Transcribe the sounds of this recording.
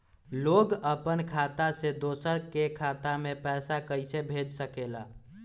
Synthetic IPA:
loːɡəpənkʰat̪ased̪oːsəɾkekʰat̪amepɛːsakəɪsebʱed͡ʒsəkela

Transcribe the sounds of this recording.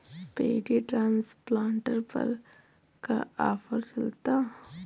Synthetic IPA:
pḛːɖiʈɾaːnsplaːɳʈəɾpɐ̰ɾ | kaaːfəɾt͡ʃɐlt̪a

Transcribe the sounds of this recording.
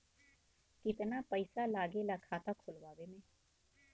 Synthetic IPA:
kɪt̪naːpəɪsaːlaːɡeːlakʰaːt̪aːkʰʊlʋaːʋeːmẽː

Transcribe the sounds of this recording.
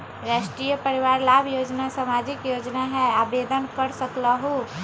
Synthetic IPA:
ɾasʈɾijəpəɾiʋaɾlabʱjod͡ʒnasamad͡ʒikjod͡ʒnaɦɛabed̪ənkəɾsəkləɦu

